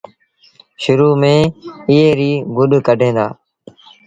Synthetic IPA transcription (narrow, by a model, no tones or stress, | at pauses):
ʃʊɾuːmẽːɪɦeːɾiːɡʊɗkəɖʱẽːd̪a̰ː